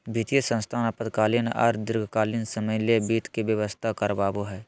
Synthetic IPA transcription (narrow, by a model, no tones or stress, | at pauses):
bʱit̪ijəsə̃nst̪ʰaːnəpəd̪kaːlinɔ̰ːɾd̪ɪɾɡʱkaːlɪnsəməjlebiːt̪ʰkibjəʋəst̪ʰakəɾbaːboɦɛː